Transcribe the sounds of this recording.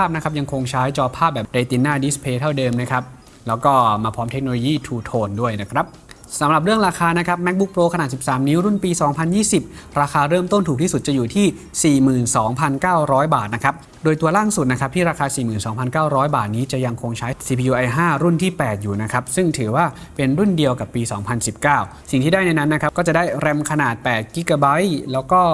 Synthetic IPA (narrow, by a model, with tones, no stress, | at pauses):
aː˥˩p̚na˦˥kʰa˦˥p̚ja˧ŋkʰo˧ŋt͡ɕʰaː˦˥jt͡ɕɔː˧pʰaː˥˩p̚bɛː˨˩pda˧˩jt̪i˧nːaː˥˩di˦˥spʰeː˧t̪ʰa˥˩wdɤː˧mna˦˥kʰɾa˦˥p̚ | lɛː˦˥wkɔː˥˩maː˧pʰɔː˦˥mt̪ʰe˦k̚noː˧loː˧jiː˥˩t̪ʰuː˧t̪ʰoː˧ndu˥˩əjna˦˥kʰɾa˦˥p̚ | sa˩˦mɾa˨˩p̚ɾɯ˥˩əŋɾaː˧kʰaː˧na˦˥kʰa˦˥p̚mɛ˦˥k̚bu˦˥k̚pɾoː˧kʰa˧a˨˩si˨˩p̚saː˩˦mniː˦˥ɾu˥˩npiː˧sɔː˩˦ŋpʰa˧njiː˥˩si˨˩p̚ɾaː˧xʰaː˧ɾɤː˥˩mt̪o˥˩nt̪ʰuː˨k̚t̪ʰiː˥˩su˨˩t̪̚t͡ɕa˨˩juː˨˩t̪ʰiː˥˩ | siː˨˩mɯː˨˩nsɔː˩˦ŋpʰa˧nkaː˥˩wɾɔː˦˥jbaː˨˩t̪̚na˦˥kʰa˦˥p̚ | doː˧jt̪u˧ɐlaː˥˩ŋsu˨˩t̪̚na˦˥kʰa˦˥p̚t̪ʰiː˥˩ɾaː˧kʰaː˧siː˨˩mɯː˨˩nsɔː˩˦ŋpʰa˧nkaː˥˩wɾɔː˦˥jbaː˨˩t̪̚niː˦˥t͡ɕa˨˩ja˧ŋkʰo˧ŋt͡ɕʰa˦˥jsiː˧pʰi˧juː˧ʔa˧jɦaː˥˩ɾu˥˩nt̪ʰiː˥˩pɛː˨˩t̪̚juː˨˩na˦˥kʰa˦˥p̚sɯ˥˩ŋt̪ʰɯː˩˦waː˥˩pe˧nɾu˥˩ndi˧əwka˨˩pːiː˧sɔː˩˦ŋpʰa˧nsi˨˩p̚kaː˥˩w | si˨˩ŋt̪ʰiː˥˩daː˥˩jna˧jna˦˥nːa˦˥kʰa˦˥p̚kɔː˥˩t͡ɕa˨˩da˥˩jɾɛ˧mkʰa˧naː˨˩t̪̚pɛː˨˩t̪̚ki˦˥kaː˧˩ba˦˥jlɛː˦˥wkɔː˥˩